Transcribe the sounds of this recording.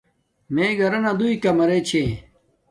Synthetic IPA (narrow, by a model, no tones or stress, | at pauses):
meːɡɐɾɐnad̪uikɐmɐɾet͡ɕʰe